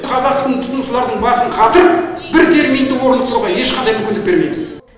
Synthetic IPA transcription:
qʰɑzɑqt̪ə̥qt̪əɴt̪ʰʊt̪əmʃəlˠɑɾd̪əɴbɑsəɴqʰɑt̪əɾəpbɪɾt̪ʰe̞ɾmijnd̪ɪwo̞ɾənd̪əq̚t̪ʊɾuʁɑje̞ʃqɑnd̪ɑjmʏkʲɪnd̪ɪk̚be̞ɾme̞jmɪz

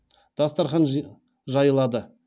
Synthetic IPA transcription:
d̪̥ɑst̪ɑɾχɑn | ʒɑjəlˠɑd̪ə

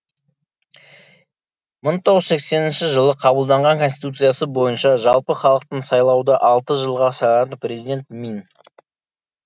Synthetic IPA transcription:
məɴt̪ʰoʁəzse̞kse̞nɪnʃɪʒəlˠəqʰɑbəlˠd̪ɑɴʁɑŋkʰo̞nst̪i̥t̪ut̪sɨjasəbo̞jənʃɑʒɑlˠpəχɑlˠəq̚t̪əɴsɑjlˠɑwd̪əʔɑlˠt̪əʒəlˠʁɑsɑjɑt̪əprʲe̞zid̪e̞nt̪min

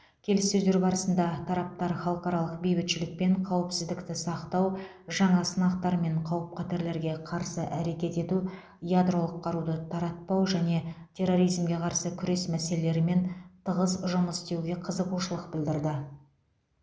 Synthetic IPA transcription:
kʲʰe̞lɪsːɵzd̪e̞ɾbɑɾəsənd̪ɑt̪ʰɑɾɑp̚t̪ɑɾχɑlˠqɑɾɑlˠəq̚bejbɪt̪ʃɪlɪk̚pe̞ɴqʰɑwəpsɪzd̪ɪkt̪ɪsɑqt̪ɑw | ʒɑɴɑsənɑqt̪ɑɾme̞ɴqʰɑwəp̚qʰɑt̪eɾle̞ɾɡʲe̞qʰɑɾsəʔæɾe̞kʲe̞t̪e̞t̪u | jad̪ro̞lˠəqʰːɑɾud̪ət̪ʰɑɾɑt̪̚pɑwʒæne̞tʲʰe̞ro̞ɾijzmɡʲe̞qʰɑɾsəkʲʰʏɾe̞smæse̞lele̞ɾɪme̞nt̪ʰəʁəzʒʊməst̪e̞wɡʲe̞qʰəzəquʃəlˠəq̚bɪld̪ɪɾd̪ɪ

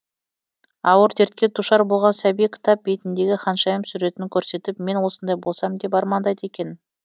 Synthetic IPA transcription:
ɑwəɾt̪ʰeɾt̪̚kʲe̞t̪ʰuʃɑɾbo̞lˠʁɑnsæbijkʲʰɪ̥t̪ɑp̚bejt̪ɪnd̪e̞ɡʲɪχɑnʃɑjəmsʏɾe̞t̪ɪŋkʲʰɵɾse̞t̪ɪp̚me̞nwo̞sənd̪ɑjbolˠsɑmd̪e̞p̬ɑɾmɑnd̪ɑjd̪e̞kʲe̞n

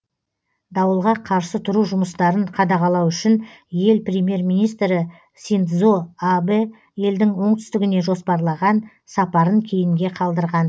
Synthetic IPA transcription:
d̪ɑwəlˠʁɑqʰɑɾsət̪ʰʊɾuʒʊməst̪ɑɾəɴqʰɑd̪ɑʁɑlˠɑwʏʃɪnje̞lprʲemʲje̞rmijnijst̪ɾɪ | sʲint̪zoabe | je̞ld̪ɪŋwo̞ɴt̪ʰʏ̥st̪ɪɡʲɪne̞ʒo̞spɑɾlˠɑʁɑn | sɑpɑɾəŋkʲʰe̞jɪŋɡʲe̞qʰɑlˠd̪əɾʁɑn

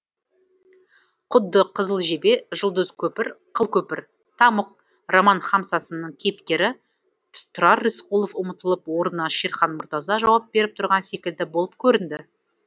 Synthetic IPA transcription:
qʰʊd̪ːəqʰəzəlˠʒe̞be̞ʒʊlˠd̪əzkʲʰɵpɪɾqʰəlˠkʲʰɵpɪɾ | t̪ʰɑməq̚ | romɑnχɑmsɑsənəɴkʲʰe̞pkʲe̞ɾɪ | t̪ʰʊɾɑrːisqulˠofʊmət̪əlˠəpwo̞ɾənɑʃeɾχɑnmʊɾt̪ɑzɑʒɑwɑp̚be̞ɾɪp̚t̪ʰʊɾʁɑnse̞kʲɪld̪ɪbolˠəp̚kʲʰɵɾɪnd̪ɪ

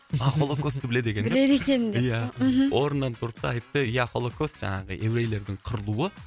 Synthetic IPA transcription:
ɑχolˠokost̪ɪbɪled̪e̞kʲeɪled̪ekʲenjaɦʔoɾnːɑnt̪ʰʊɾt̪ːɑɑjt̪ːəjaχolˠokʰost̪̚ʒɑ̰ɴɑʁə̰ʔe̞vɾejle̞ɾd̪ɪɴqʰəɾɨlˠuwə

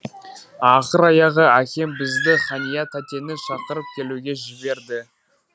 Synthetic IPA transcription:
ɑqəɾɑjɑʁəækʲe̞mbɪzd̪ɪχɑnijat̪ʰæt̪ʲe̞nɪʃɑqəɾəp̚kʲʰe̞luɡʲe̞ʒɪbe̞ɾd̪ɪ

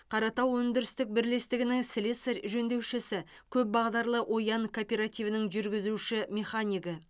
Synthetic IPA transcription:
qʰɑɾɑt̪ɑwwɵnd̪ɪɾɪst̪ɪk̚bɪɾle̞st̪ɪɡʲɪnɪŋsɪlʲeseɾʒɵnd̪e̞wʃɪsɪ | kʲʰɵp̚bɑʁd̪ɑɾlˠəʔo̞jɑŋkʰopʲe̞ɾat̪ivənɪŋʒʏɾɡʲɪzuʃɪmʲe̞χanʲijɡə

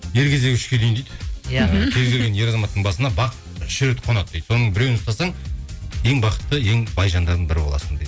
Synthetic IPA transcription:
je̞ɾkʲʰe̞zd̪e̞kʲɪʃkʲʰelejnd̪ejd̪ | kʲʰe̞lɡʰʲeɾɡʲenje̞ɾɑzɑmɑt̪ːəɴbɑsənɑbɑqt̪ʃʏɾet̪qʰo̞nɑt̪̚ːejd̪̥so̞nəɴbɪɾe̞wɪnʊst̪ɑsɑɴje̞ŋbɑqə̥t̪ːəe̞ŋbɑjʒɑnd̪ɑɾd̪ənbɪɾɪbo̞lˠɑ̰sənd̪ejd̪

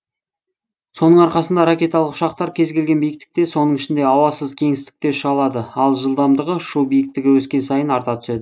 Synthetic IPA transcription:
so̞nəɴɑɾqɑsənd̪ɑɾakʲe̞t̪alˠəqʊ̥ʃɑqt̪ɑɾkʲʰe̞zɡʲe̞lɡʲe̞nbijɪk̚t̪ɪ̥k̚t̪eso̞nəɴɪʃɪnd̪e̞ɑwɑsəzkʲʰe̞ŋɪst̪ɪ̥k̚t̪e̞ʃəʁɑlˠɑd̪əɑlˠʒəlˠd̪ɑmd̪əʁəʃubijɪk̚t̪ɪɡʲɪwɵskʲe̞nsɑjənɑɾt̪ɑt̪ʰʏ̥se̞d̪ɪ

